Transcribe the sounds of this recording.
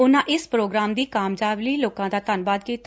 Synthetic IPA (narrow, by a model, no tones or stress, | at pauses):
ʊnãːʔɪspɾoːɡɾaːmd̪iːkaːmd͡ʒaːʋliːloːkãːd̪aːt̪ənbaːd̪̚kiːt̪